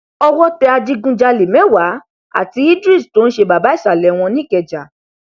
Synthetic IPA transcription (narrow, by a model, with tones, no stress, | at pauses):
ɔ˧wɔ˦tɛ˧a˧d͡ʒi˦ɡũ˦d͡ʒa˧le˨mɛ̃˨˦wa˨˦ | a̰˦˨ti˧i˦dɾi˦˨sto˨˦n̩˦ʃe˧ba˨ba˨˦i˦˨sa˨lɛ˨˦w̃ɔ̃˧nĩ˦˨kɛ˧d͡ʒa˨